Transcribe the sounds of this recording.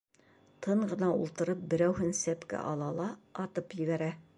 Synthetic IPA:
t̪ʰɤɴɢɤ̆nɑṵlˠt̪ɤ̆ɾɤp̚bɘ̆ɾæwhɘnsæpkæ̰ʔɑlˠɑlˠɑɑt̪ɤpjɘ̆βæɾæ

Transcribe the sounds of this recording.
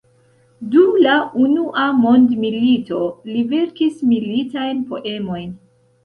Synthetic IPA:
dumlaunuʔamo̞ndmilito̞live̞ɾkismilitajnpo̞̰ʔe̞mo̞jn

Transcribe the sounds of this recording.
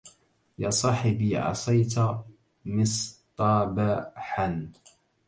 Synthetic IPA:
jɑːsˤɑːħɪbiʕɑ̰sˤɑjt̪a | mɪst̪ˤɑːbaħan

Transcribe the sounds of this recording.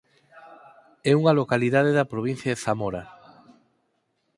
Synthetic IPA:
ɛuŋɐlokaliðaðeðɐpɾoβ̞in̟θjaðeθamoɾa

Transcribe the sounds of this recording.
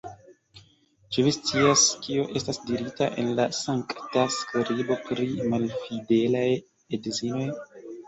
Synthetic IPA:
t͡ʃevist͡siaskioʔe̞stasdiɾitaʔe̞̰nlasaŋktaskɾibo̞tɾimalfide̞laj | edzino̞j

